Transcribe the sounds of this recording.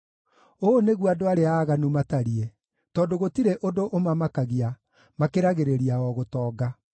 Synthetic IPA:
oneɣwadoaɾeaːɣanumataɾie | tɔːndoɣotiɾeʔodoʔomamakaɣia | makeɾaɣeɾeɾiaɔɣotɔːɡa

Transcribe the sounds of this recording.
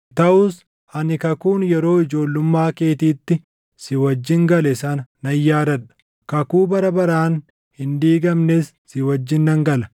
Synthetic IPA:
t̪ɐʔuːs | hɐnɪkɐkuːnjɛɾo̞ːɪd͡ʒo̞ːlːʊmːaːke̞ːt̪iːt̪ːɪ | sɪwɐd͡ʒːɪŋɡɐlɪsɐːnnɐjːaːd̪ɐᶑɐ̥ | kɐkuːbɐɾɐbɐɾaːn | hɪnd̪iːɡɐmnesːɪwɐd͡ʒːɪnːɐŋɡɐlɐ̥

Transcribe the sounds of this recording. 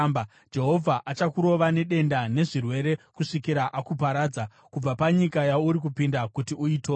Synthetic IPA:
mb | d͡ʒe̞ɦo̞vʱaʔat͡ʃakuɾo̞ʋane̞ɗe̞ndane̞ʐirwe̞ɾe̞kuʂikiɾaʔakupaɾaːd͡za | kub͡vapaɲikajauɾik̬upindakutiuiːto

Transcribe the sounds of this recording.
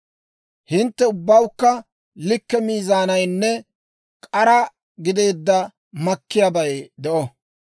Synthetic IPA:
hɪnt̪ːɛʊbːɐwkːɐ | lɪkːɛmiːzaːnɐjnːɛ | kʼɐɾɐ | ɡɪd̪e̞ːd̪ːɐ | mɐkːɪjaːbɐjd̪ɛʔɔ

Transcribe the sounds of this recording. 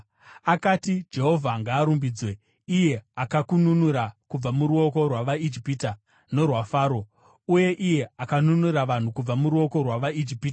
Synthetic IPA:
akatid͡ʒe̞ɦo̞vʱaŋɡaːɾumbid͡zwe̞ | ije̞akakununuɾakub͡vamuɾuo̞ko̞rwaʋaid͡ʒipita | no̞rwafaːɾo̞ | uje̞ʔije̞akanunuɾaʋan̤ukub͡vamuɾuo̞ko̞rwaʋaid͡ʒipiːta

